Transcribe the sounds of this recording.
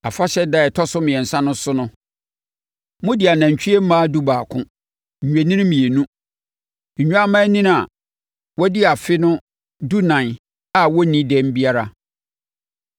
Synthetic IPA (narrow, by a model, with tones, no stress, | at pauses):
a˨fa˦ɕɛ˦da˦ɛ˨tʰɔ˦sʊ˦mɪ̃˨ɛ˨n̩˨sã˦nʊ̃˦sʊ˦nʊ̃˦ | mʊ̃˦dɪ˨a˨nã˨ɲ˨t͡ɕᶣi˦e˦m̩˦mãː˦du˦baː˨kʰʊ̰̃˦ | ɲ̩˨ɲᶣe˨nĩ˦ñ˦mĩ˨e˨nũ˦ | ɲ̩˨ɲᶣu˦a˦mã˦nĩ˦n˦a˨ | wɔ˦dɪ˦a˨fɪ˦nʊ̃˦ | du˦nã˨n˨ | a˨wɔ˦nĩ˦dɛ̃˦m˦bi˦a˦ɾa˨